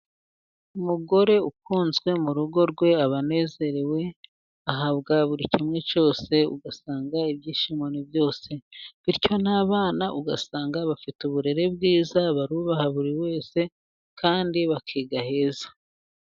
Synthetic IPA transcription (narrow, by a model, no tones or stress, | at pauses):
umuɡo̞ɾe̞ukuːnzɡwe̞muɾuɡo̞ɾɡwe̞aβane̞ːze̞ɾewe̞ | aɦaβɡaβuɾicimŋe̞t͡ʃo̞ːse̞ṵɡasaːŋɡaiβɟiːʃimonibjo̞ːse̞βiɾco̞naːβaːnaʔuɡasaːŋɡaβafituβuɾe̞ɾe̞bɡiːzaβaɾuːβahaβuɾiwe̞ːse̞ | kaːndiβakʰiːɡahe̞ːzḁ